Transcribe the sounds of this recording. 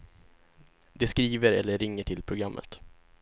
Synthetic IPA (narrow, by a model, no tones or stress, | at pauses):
d̪ɛskɾiːvəɾɛlːəɾɪŋːəʈʰɪlpʰɾʊɡɾamːə̰t̪